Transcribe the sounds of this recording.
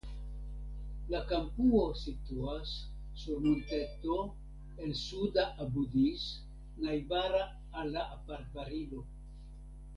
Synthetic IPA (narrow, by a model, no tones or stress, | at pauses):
lakampuo̞situasː | uɾmonte̞to̞ | e̞nsudaʔabudis | najbaɾaː | lːaːpaɾtbaɾilo